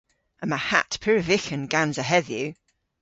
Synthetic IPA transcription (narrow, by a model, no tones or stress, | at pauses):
ə̃nmaha̰tpʰɪɹəvɪxə̃nɡãnzəɦɛðjʉ